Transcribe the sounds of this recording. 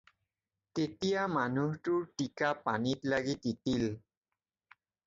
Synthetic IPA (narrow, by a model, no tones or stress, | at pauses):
ket̪iamanuhʈuɾʈikapanit̪laɡit̪it̪il